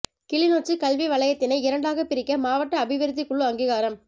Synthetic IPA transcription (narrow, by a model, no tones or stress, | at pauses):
kɪɭɪnoːt͡ʃːɯkɐɭʋiʋɐɭɐjɐt̪ːɪnɐɪɪɾɐɳɖaːɣɐpɪɾɪkːɐmaːʋɐʈːɐːbɪʋɪɾɯt̪̬ːɪkːʊɭːɯɐŋɡiɣaːɾɐm